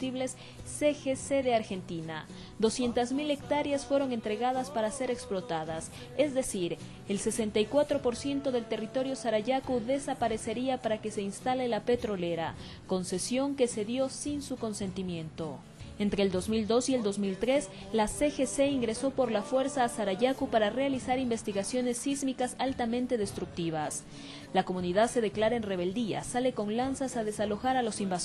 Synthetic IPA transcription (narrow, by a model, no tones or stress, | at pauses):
t̪iβle̞sː | exeseðe̞aɾxe̞nt̪ina̰ | d̪o̞sje̞nt̪azmile̞kt̪aɾjasfwe̞ɾo̞ŋe̞nt̪ɾe̞ɣaðaspaɾase̞ɾeksplo̞t̪aðas | e̞zd̪e̞siɾ | e̞lse̞se̞nt̪ajkwat̪ɾo̞po̞ɾsje̞nt̪o̞ðe̞lt̪e̞rit̪o̞ɾjo̞saɾaʝakuðe̞sapaɾe̞se̞ɾiapaɾake̞se̞inst̪ale̞lape̞t̪ɾo̞le̞ɾa̰ | ko̞nse̞sjo̞ŋke̞se̞ðjo̞sinsuko̞nse̞nt̪imjẽ̞nt̪o̞ | ent̪ɾeːld̪o̞zmild̪o̞sie̞ld̪o̞zmilt̪ɾe̞s | lasexeseiŋɡɾe̞so̞po̞ɾlafwe̞ɾsaːsaɾaʝakupaɾare̞alisaɾimbe̞st̪iɣasjo̞ne̞sːizmikasalt̪amẽnt̪e̞ð̞e̞st̪ɾuk̚t̪iβ̞as | lako̞mũniðaðse̞ðe̞klaɾaenre̞β̞e̞ld̪ia̰sale̞ko̞ŋlansasaðe̞salo̞xaɾalo̞simba